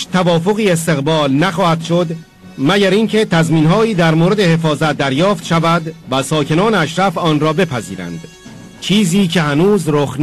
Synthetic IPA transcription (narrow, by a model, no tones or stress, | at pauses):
t̪ʰævɒːfo̞ɣiːe̞s̬t̪e̞ɣbɒːlnæxɒːhæd̪̥ʃo̞d̪ | mæɟæɾiːncʰe̞t̪ʰæzmiːnɦɒːiːd̪æɾmoːɾe̞d̪e̞he̞fɒːzæt̪̚d̪æɾjɒːft̪ʃævæd̪væsɒːce̞nɒːneæʃɾæfɒːnrɒːbe̞pʰæzḭːɾæ̰nd̪̥ | t͡ʃʰiːziːcʰe̞hænuːzɾoxn